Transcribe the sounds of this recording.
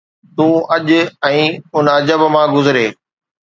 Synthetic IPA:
t̪ũːɐʄʊɛ̃ːʊnɐd͡ʑəbmãɡʊzɪɾeː

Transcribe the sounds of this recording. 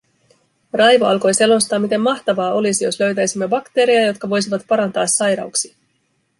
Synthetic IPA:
rɑjʋoɑlko̞jse̞lo̞st̪ɑːmit̪e̞mːɑxt̪ɑʋɑːʔo̞lisijo̞slø̞ɥt̪æjsimːebɑkt̪e̞ːɾijɑjo̞t̪̚kɑʋo̞jsiʋɑt̪pɑɾɑnt̪ɑːsːɑjɾɑ̰uksi̥

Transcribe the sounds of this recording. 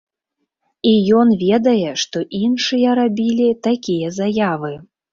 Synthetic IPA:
ijɔnvʲɛd̪ɐjɛʂt̪ɔʔinʂɨjɐɾabʲilʲit̪akʲijɐzajavɨ

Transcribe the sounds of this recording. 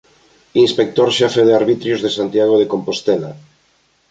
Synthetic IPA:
inspek̚t̪oɾʃɛfeð̞eaɾβit̪ɾjozðesant̪jaɣ̞oðekompost̪ɛla

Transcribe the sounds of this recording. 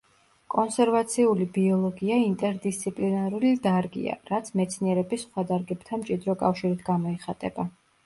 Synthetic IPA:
kʼɔnsɛɾvat̪sʰiulibiɔlˠɔɡiaint̪ʼɛɾd̪ist̪sʰipʼlinaɾulid̪aɾɡḭa̰ɾat̪sʰmɛt̪sʰniɛɾɛbisχwad̪aɾɡɛb̥t̪ʰamt͡ʃʼid̪ɾɔkʼafʃiɾit̪ʰɡamɔɛχat̪ʼɛba

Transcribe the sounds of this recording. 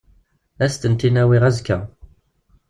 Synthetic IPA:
æst̪ənt̪inæwiʁæzkːæ

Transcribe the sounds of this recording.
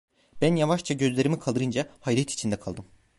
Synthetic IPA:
b̥ænjavaʃt͡ʃʰaɟø̞zlʲeɾimikʰalˠd̪ɯɾɯnd͡ʒahajɾɛt̪ʰi̥t͡ʃʰind̪ɛkʰalˠd̪ɯm

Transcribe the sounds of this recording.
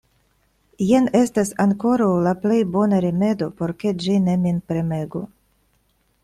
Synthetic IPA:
jene̞stasaŋko̞ɾawlaple̞jbo̞naɾime̞do̞po̞ɾke̞d͡ʒine̞minpɾe̞me̞ɡu

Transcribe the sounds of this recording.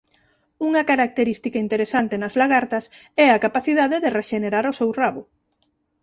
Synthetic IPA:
uŋɐkaɾak̚t̪eɾist̪ikɐint̪eɾesant̪enɐzlaɣaɾt̪ɐs | ɛakapaθiðaðeðereʃeneɾaɾʊsɛwraβʊ

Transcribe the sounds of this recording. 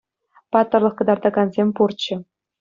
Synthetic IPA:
pɑt̪ːɤ̆rlˠɤ̆χkɤ̆d̪ɑrd̪ɑɡɑnzʲemʲpurt͡ɕːɘ̆

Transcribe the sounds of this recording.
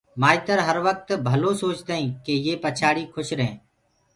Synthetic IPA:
maːit̪əɾɦəɾʋək̚t̪bʱəlõːsoːt͡ʃd̪aːĩːkeːjeːpət͡ʃʰaːɽiːkʰʊʃɾəɦḛ̃ː

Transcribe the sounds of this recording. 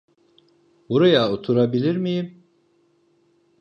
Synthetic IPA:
buɾajaot̪ʰuɾabilʲiɾmijim

